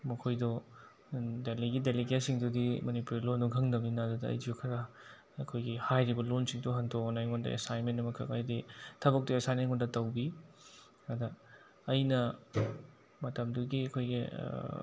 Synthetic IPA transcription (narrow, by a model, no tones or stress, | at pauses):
mɐkʰojdɔ | deliɡideliɡesiŋdudimɐnipuɾilonduŋkʰɐŋdɐminadudɐɐ̰jd͡ʒiukʰɐɾɐ | ɐkʰojɡihajɾibɐlonsiŋduɦɐntʰoknajŋɔndɐ̰ʔḛsajnmenːɐmɐkʰɐ̰kajditʰɐbɐk̚tuesajnejŋɔndɐtɐwbi | ɐdɐː | jnɐ | mɐtɐmduɡiɐkʰojɡḭ